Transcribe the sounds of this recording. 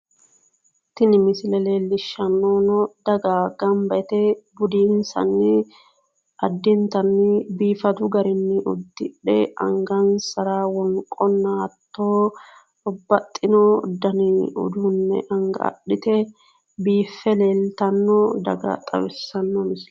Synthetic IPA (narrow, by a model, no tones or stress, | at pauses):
t̪ɪnɪmɪslɛle̞ːlːɪʃːɐnːoːnɔd̪ɐɡaːɡɐmbɐʔɛt̪ɛbʊd̪iːnsɐ̰nːɪ | ʔɐd̪ːɪnt̪ɐnːɪbiːfɐt̪ʊɡɐɾɪnːɪʔʊ̰d̪ːɪᶑɛ̰ʔɐ̰ŋɡɐnsɐɾaːwɔŋkʼɔnːaːt̪ʰːoː | ɔbɐt̪ʼːɪnɔd̪ɐnɪʊ̰d̪uːnːɛ̰ʔɐŋɡɐ̰ʔɐ̰ᶑɪt̪ɛ | biːfːɛleːlt̪ɐnːɔd̪ɐ̰ɡɐ̰t̪ʼɐ̰bɪsɐnːɔmɪs